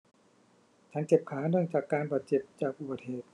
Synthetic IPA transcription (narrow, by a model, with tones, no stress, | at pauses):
t͡ɕʰa˧˦˥nke˨˩p̚kʰaː˩˦˥nɯ˥˩əŋt͡ɕaː˨˩kːaː˧nbaː˨˩t̪̚t͡ɕe˨˩p̚t͡ɕaː˨˩k̚ʔu˨˩baː˨˩t̪̚heː˨˩t̪̚